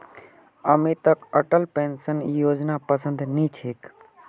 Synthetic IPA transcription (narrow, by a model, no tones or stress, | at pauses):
əmit̪əkəʈəlpensənjoːd͡ʒnapəsə̃nd̪nĩt͡ʃʰeːk